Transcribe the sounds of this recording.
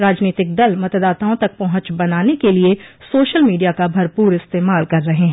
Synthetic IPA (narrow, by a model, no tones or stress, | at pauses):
ɾaːd͡ʒniːt̪ɪk̚d̪ɐlmɐt̪d̪aːt̪aːõt̪ɐk̚pɐɦʊ̃t͡ʃbɐnaːnekeliesoːʃəlmiːɖijakabʱɐɾpuːɾɪst̪eːmaːlkɐɾːɐɦeɦɛ̃